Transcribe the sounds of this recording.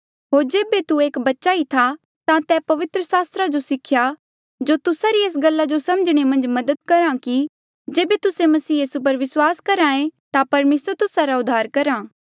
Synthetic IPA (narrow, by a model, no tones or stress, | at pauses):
ɦoːɾd͡ʒeːbet̪ueːkbɐtːʃait̪ʰa | t̪ãt̪ɛːpɐʋɪt̪ɾəsaːst̪ɾad͡ʒosɪkʰja | d͡ʒoːt̪ʊsaɾieːs̬ɡɐlːad͡ʒosɐ̃məd͡ʒɽ̃emɐ̃nd͡ʒmɐd̪əd̪̚kɐɾãki | d͡ʒeːbet̪ʊsemɐsiːjiːsup̬ɐɾʋɪswaːskɐɾãːẽt̪apɐɾmeːsəɾt̪ʊsaɾaʊd̪ʱːaːɾkɐɾaː